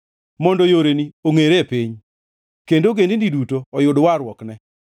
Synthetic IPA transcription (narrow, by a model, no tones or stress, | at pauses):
mɔndɔjoɾenioŋeɾepiɲ | kendoɡendindidutoɔjʊdwaɾwɔknɛ